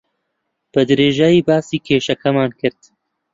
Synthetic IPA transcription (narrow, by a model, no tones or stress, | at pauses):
b̥ɨd̪ɨɾeːʒaːjiːbaːsiːkʰeːʃɐkʰɐmaːnkʰɨɾd̪̥